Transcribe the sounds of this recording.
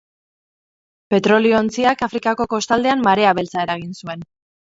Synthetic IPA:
pe̞t̪ɾo̞lio̞ːnt͡siakafɾikako̞ko̞st̪ald̪e̞amːaɾe̞aβe̞lt͡sae̞ɾaɣ̞insue̞n

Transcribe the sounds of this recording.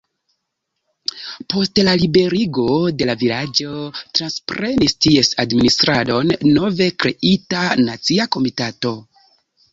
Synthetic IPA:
po̞stlalibe̞ɾiɡo̞de̞lavilad͡ʒo̞tɾanspɾe̞nistie̞sadministɾado̞nːo̞ve̞kɾe̞ʔitanat͡siako̞mitato̞

